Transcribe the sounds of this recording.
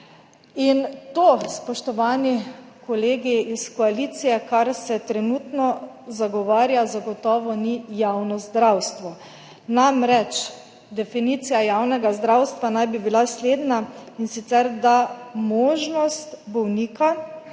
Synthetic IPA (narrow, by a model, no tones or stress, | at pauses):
int̪oːspɔʃt̪ɔʋaːnikɔleːɡiiskɔaliːt̪sijɛkaɾsɛt̪ɾɛnuːt̪nɔ | zaɡɔʋaːɾjazaɡɔt̪ɔːʋɔnijawnɔzd̪ɾawst̪ʋɔ | namɾɛt͡ʃ | d̪ɛfiniːt̪sijajawnɛɡazd̪ɾawst̪ʋanajbibilasleːd̪nainsit̪sɛɾd̪amoːʒnɔst̪bɔwniːka